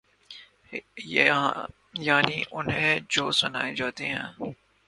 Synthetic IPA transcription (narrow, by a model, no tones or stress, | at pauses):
j | jaːniʔʊnɦẽd͡ʒoːsbɐna̰ːed͡ʒaːt̪eɦɛ̰̃ː